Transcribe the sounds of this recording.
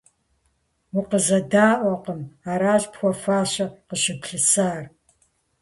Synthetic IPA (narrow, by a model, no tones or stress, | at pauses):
wʊqəzɐdaːʔʷɔqəmaːɾaːɕpxʷɔfaːɕɐqəɕɪpʰɬɨsaːr